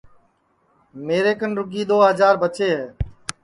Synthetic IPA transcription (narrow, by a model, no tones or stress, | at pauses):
meːɾeːkənɾʊɡiːɗ̪oːɦəzaːɾbət͡ʃeːɦɛː